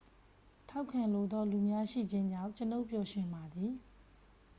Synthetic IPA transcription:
tʰa˦ʊkʰːã˨nlo˨d̪ɔ˦lu˨mja˦ʃḭ˦˨d͡ʑɪ̃˦ɲd͡ʑã˦˨ɲt͡ɕəno˦ʊʔpjɔ˨ʃwɪ̃˨mba˨d̪ði˨

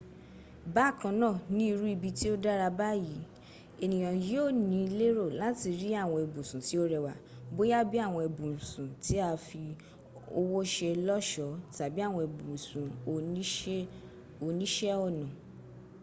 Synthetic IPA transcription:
ba˦˨kã˧˦nãː˦˨nĩ˦i˧ɾu˦i˧bi˧ti˦o˦da˦ɾa˧ba˦ji˨˦ | e˨nĩ˨j̃ã˨ji˦o˦˨nĩ˨˦˧le˦ɾo˦˨la˨˦ti˧ɾi˦a˦˨w̃ɔ̃˧e˨bũ˨sũ˨ti˨˦o˦ɾɛ˧wa˨ | bo˦ja˦bi˦a˦˨w̃ɔ̃˧e˨bũ˨sũ˨ti˨˦a˧fi˧ | o˧wo˦ʃɛ˧lɔ˦ʃɔ˨˦ta˨bi˦a˦˨w̃ɔ̃˧e˨bũ˨sũ˨o˨˦ | o˧nĩ˦ʃɛ˦ɔ˦˨nɔ̃˨

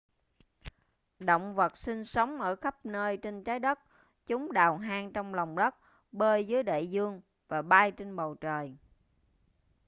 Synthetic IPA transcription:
ɗo̰˧˨wŋ͡mvə˨˩t̚sï˧ŋsə˨˦wŋ͡mʔəː˧˩xə˦˥p̚nəː˧jt͡ɕe˧nt͡ɕaː˨˦jɗə˦˥t̚ | t͡ɕʊ˨˦ŋ͡mɗaː˨˩wɦaː˧ŋt͡ɕɔ˧wŋ͡mlɔ˨˩wŋ͡mɗə˦˥t̚ | ɓəː˧jzɨː˨˦jɗḛ˧˨zɨ˧əŋ | vaː˨˩ɓaː˧jt͡ɕe˧nɓə˨˩wt͡ɕəː˨˩j

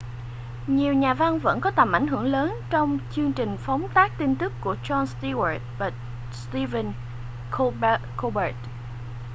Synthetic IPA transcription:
ɲi˨˩əwɲaː˨˩va˧nvə̰˧˥nkɔ˨˦t̪ə˨˩mʔa˧˩jɦɨ˧˩əŋləː˨˦nt͡ɕɔ˧wŋ͡mt͡ɕɨ˧əŋt͡ɕï˨˩ŋ̟fa˨˦wŋ͡mt̪aː˦˥k̚t̪i˧nt̪ɨ˦˥kːu˧˩ət͡ɕɔ˧nst̪i˧wə˨˩t̚ɓa˨˩t | st̪i˧və˧n | kko˧ɓə˨˦˥t̚

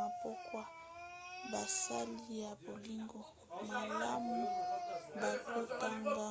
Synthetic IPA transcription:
a˨pɔ˦kwa˦ | ba˨sa˦li˦ja˨bo˨li˦ŋɡo˨ | ma˨la˦mu˦ba˨to˦ta˦ŋɡa˦

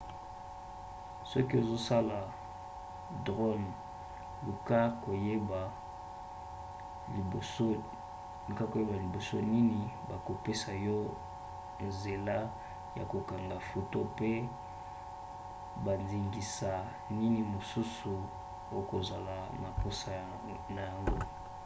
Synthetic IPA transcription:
sɔ˦ki˦o˨zo˦sa˦la˨ | dʁo˦n | lu˨ka˦ko˨je˦ba˨ | so˦ | lu˨ka˦ko˨je˦ba˨li˨bo˨so˦ni˦ni˨ba˨ko˨pe˦sa˨jɔ˦ | nze˨la˦ | ja̰˨ko˨ka˨ŋɡa˨fo˨to˦pe˦ | ba˨nzi˨ŋɡi˨sa˨ | ni˦ni˨mo˨su˦su˨ | o˦o˦ko˨za˨la˨ma˨po˦sa˨ | na˨ja˨ŋɡo˦

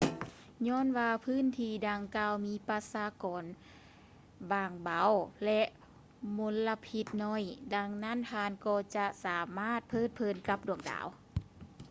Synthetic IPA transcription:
ɲɔː˧˥˨nwaː˧pʰɯː˧˥˨nt̪ʰiː˧˩daː˧ŋkaː˧wmiː˧˥pa˧saː˧kɔː˨˦n | baː˨˧˩ŋba˨˧˦wlɛ˧ʔ | mo˧˥nla˧pʰi˧˦t̪̚nɔ˧˥˨jda˧ŋna˧˥˨nt̪ʰaː˧˨nkɔː˧t͡ɕa˧ʔsaː˨˦maː˧˥˨t̪̚pʰɤː˧˥˨t̪̚pʰɤː˧˩˨nka˧˦p̚du˨˩əŋda̰ː˨˦w

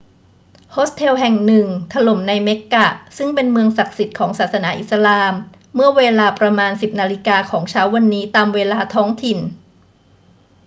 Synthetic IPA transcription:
hʰoː˦˥st̪ʰe˧wɦɛ˨˩ŋnɯ˨˩ŋt̪ʰa˧lo˨˩˦mna˧jme˦˥kːa˨˩sɯ˥˩ŋpe˧nmɯ˧əŋsa˨˩k̚si˨˩t̪̚kʰɔː˩˦ŋsaː˨˩t̪̚sa˧naː˩˦ʔi˨˩t̪̚sa˧laː˧mː | ɯ˥˩ɐweː˧laː˧pɾa˧maː˧nsi˨˩p̚naː˧li˦˥kaː˧kʰɔː˩˦ŋt͡ɕʰaː˦˥wːa˧nːiː˦˥t̪aː˧mweː˧laː˧t̪ʰɔː˦˥ŋt̪ʰi˨˩n

